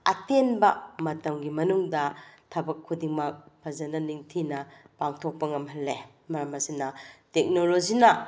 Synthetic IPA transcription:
ɐ̰tenbɐmɐtɐmɡimɐnuŋdɐtʰɐbɐkʰːudiŋmɐk̚pʰɐzɐnɐniŋtʰinɐpaŋtʰok̚pɐŋɐmɦɐlːe | mɐɾɐmɐsinɐtek̚nolozinɐ

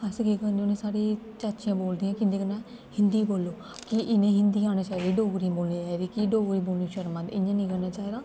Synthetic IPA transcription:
əsɡeːkənonẽːsaːɾeː | t͡ʃat͡ʃɪjãːboːld̪iːãːkɪnd̪eːkənãː | hɪ̃nd̪iːboːlːoː | kɪʔɪnẽːɦɪnd̪iːãːneːt͡ʃaːid̪iːɖoːɡɾiboːlniːt͡ʃaːiɾiːkɪɖoːɡɾiːboːlniːʃəɾmãːt̪ɪ̰ɲãːnĩːkəɾnaːt͡ʃaːid̪aː

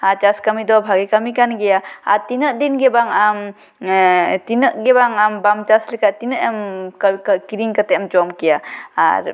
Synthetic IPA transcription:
at͡ʃaskamid̪ɔbʱaɡɛkamikanɡɛjaaɾt̪inəʔd̪inɡɛbaŋam | t̪inəʔɡɛbaŋambamt͡ʃaslɛkaʔt̪inəʔɛmkkiɾiŋkat̪ɛamd͡ʒɔmkɛjaa̰ɾ

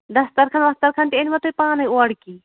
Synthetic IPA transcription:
d̪ɐst̪ɐɾkʰɐnʋɐst̪ɐɾkʰɐnt̪ienʲʋɐt̪ʰojpaːnɐjoɐɽkiː

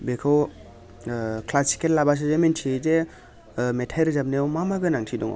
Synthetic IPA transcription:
bekʰɯw | klasi̥kelːabas̬ɯzementʰize | metʰajɾzabnejwmamaɡɯnaŋtʰidɔŋa̰w

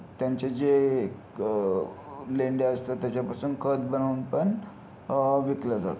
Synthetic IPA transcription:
t̪jaɲt͡ɕad͡ze | leɳɖaəst̪at̪ːjat͡ɕjapasuːnkʰət̪̚bənauːnpəɳ | ʋikləd͡za̰t̪

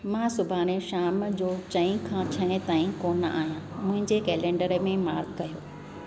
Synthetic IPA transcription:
mãːsʊbʱaːneʃaːmd͡ʑoːt͡ɕɐ̃ĩkʰãt͡ɕʰɐɽ̃ẽt̪aːĩkoːnəa̰ːɦijãmʊ̃ɦɪ̃ɲd͡ʑekɛːlẽːɳɖəɾəmẽmaːɾɡkɐjoː

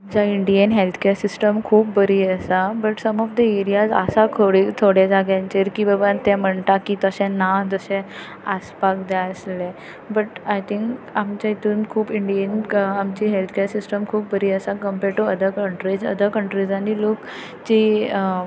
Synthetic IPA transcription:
amt͡ɕaiɳɖiənɦelt̪ʰkeɾsisʈəmkʰuːpbəɾiːəsabəʈsəmɔfd̪əeɾijazə̰sat̪ʰoɽit̪ʰoɽjed͡zaɡjãnt͡ɕeɾkibəbant̪ɛ̃m̤əɳt̪akit̪əɕɛ̃nad͡zəsɛ̃ | aspakd̪jaəsle | bəʈajt̪ʰiŋkamt͡ɕait̪uːnkʰuːbiɳɖiənamt͡ɕiːɦelt̪ʰkeɾsisʈəmkʰuːp̚bəɾiːəsakəmpeɾʈːuəd̪əkəɳʈɾid͡zə̰d̪əkəɳʈɾid͡zanilok | t͡ɕiː

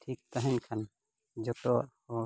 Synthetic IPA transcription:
tʰik̚t̪aɦɛɲkʰan | d͡ʒɔʈɔʔhɔ

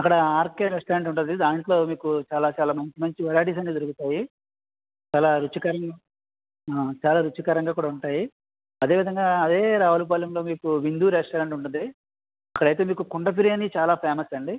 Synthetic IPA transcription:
ɐkːɐɽɐaːɾkeːɾesʈɐɾɐɳʈuɳʈund̪id̪aːɳʈlo̞ːmiːkut͡ʃaːlaːt͡ʃaːlaːmɐɲt͡ʃimɐɲt͡ʃiʋɐɾaːʈ̬iːs̬ɐnid̪uɾukut̪aːji | t͡ʃaːlaːɾut͡ʃːikɐɾɐŋɡa | at͡ʃaːlaːɾut͡ʃːikɐɾɐŋɡaːkuːɽaːuɳʈaːji | ɐd̪e̞ːʋid̪ʱɐŋɡaːɐd̪e̞ːɾaːʋɐlup̬aːlɐmloːmiːkuʋind̪uːɾesʈɐɾeɳʈuɳʈund̪i | ɐkːɐɽɐjt̪̬e̞ːmiːkukuɳɖɐp̬iɾijɐnit͡ʃaːlaːpʰeːmɐsɐɳɖi

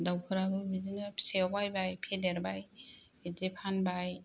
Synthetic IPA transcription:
dawkʰɯɾabɯbidinapʰseɔbajbajpʰedeɾbaj | edepʰanbaj

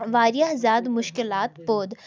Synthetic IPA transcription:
ʋaːɾjazaːd̪mʊʃkɪlaːt̪poːd̪

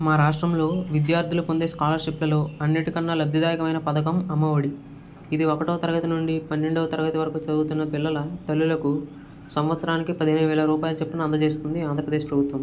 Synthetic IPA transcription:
maːɾaːʂʈɾɐmlo̞ːʋid̪jaːɾd̪ʱilupond̪eːskaːlɐɾʂiplɐlo̞ːɐnːiʈikɐnːɐlɐb̪ʱjɐd̪aːjɐkɐʋɐjnɐpɐd̪ɐkɐmɐmːɐʋɐɽi | id̪iɔkɐʈoːt̪ɐɾɐɡɐt̪inuɳɖipɐnːeɳɖɐʋɐt̪ɐɾɐɡɐt̪iʋɐɾɐkut͡ʃɐd̪ut̪unːɐpilːɐlɐt̪ɐlːulɐku | sɐmʋɐt̪sɐɾaːnikipɐd̪iɦeːnɐjʋɛːɭɐɾuːpaːjɐlut͡ʃɛpːɐnɐnd̪ɐt͡ʃe̞ːs̬t̪und̪iaːnd̪ɾɐpɾɐd̪eːʃpɾɐbʱut̪ʋɐm

